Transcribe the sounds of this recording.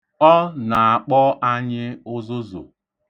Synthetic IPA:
ɔ˦na˨a˨k͡pɔ˦ʔa˦ɲɪ˦ʊ˦zʊ˦zʊ̰˨

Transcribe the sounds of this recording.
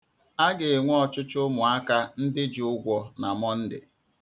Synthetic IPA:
a˦ɡe˨ŋʷ˦ɔ˨t͡ʃʊ˦t͡ʃʊ˦mʊ˨a˦ka˦n̩˦dɪ˦d͡ʒʊ˦ʊ˦ɡʷɔ˨na˨mɔ˦n̩˦dɪ̰˨

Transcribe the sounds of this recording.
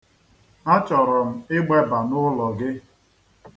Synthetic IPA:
a˦t͡ʃɔ˨ɾɔ˨m̩˨ɪ˦ɡ͡be˦ba˨nʊ˦lɔ˨ɡɪ˦

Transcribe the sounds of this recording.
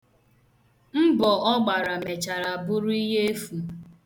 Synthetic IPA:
m̩˦bɔ˨ɔ˦ɡ͡ba˨ɾa˨me˨t͡ʃa˨ɾa˨bʊ˦ɾʊ˦i˦ɦe˦e˦fu˨

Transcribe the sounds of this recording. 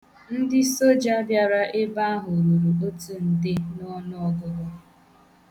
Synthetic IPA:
n̩˦dɪ˦so˦d͡ʒa˦bja˦ɾa˦ʔɪ˦ba˦a˦ɦʊ˨ɾu˨ɾu˨o˦tu˦n̩˨dɪ˦nɔ˦nʊ˦ɔ˦ɡʊ˦bɔ˦

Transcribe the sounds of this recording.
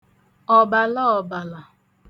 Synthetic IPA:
ɔ˨ba˨lɔ˦ɔ˨ba˨la˨

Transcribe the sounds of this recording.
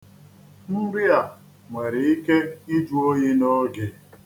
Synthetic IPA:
m̩˦bɪ˦a˨ | ŋʷe˨ɾɪ˨i˦ke˦i˦d͡ʒu˦o˦ɲi˦no˦ɡɪ˨

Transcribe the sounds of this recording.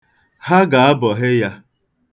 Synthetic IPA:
ha˦ɡa˨a˦bɔ˨ɦe˦ja˦

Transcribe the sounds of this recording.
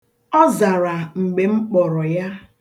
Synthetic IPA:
ɔ˦za˨ɾa˨ŋ͡m̩˨ɡ͡be˨ŋ͡m̩˦k͡pɔ˨ɾɔ˨ja˦

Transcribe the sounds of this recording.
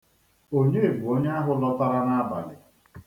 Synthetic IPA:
o˦ɲe˦e˨ɡ͡bʷu˨o˦ɲe˦a˦ɦʊ˦lɔ˦ta˦ɾa˦na˦ba̰˨lɪ̰˨

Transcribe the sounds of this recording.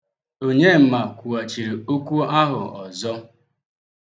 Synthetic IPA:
o˦ɲe˦m̩˨ma˨kʷu˨a˨t͡ʃi˨ɾe˨o˦kʷu˦a˦ɦʊ̰˨ɔ˨zɔ˦

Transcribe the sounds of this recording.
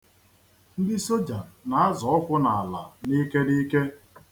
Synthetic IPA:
n̩˦dɪ˦so˦d͡ʒa˨na˨a˦zɔ˨ɔ˦kʷʊ˦na˨a˨la˨ni˦ke˦di˦ke˦

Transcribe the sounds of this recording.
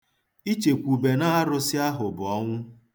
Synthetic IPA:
i˦t͡ʃe˨kʷu˨be˨na˦a˦ɾʊ˦sɪ˦a˦ɦʊ˨bʊ˨ɔ˦ŋʷʊ˦

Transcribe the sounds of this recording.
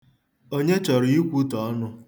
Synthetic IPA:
o˦ɲe˦t͡ʃɔ˨ɾi˨i˦kʷu˦tɔ˨˦nʊ˦

